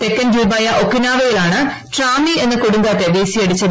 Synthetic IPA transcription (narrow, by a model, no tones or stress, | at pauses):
t̪ekːɐnd͡ʑuːbaːjɐʔokːinaːʋɐjilaːɳɨ | ʈraːmie̞nːɨkoɽuŋɡaːt̪ːeʋejsijɐɽut͡ɕːɐ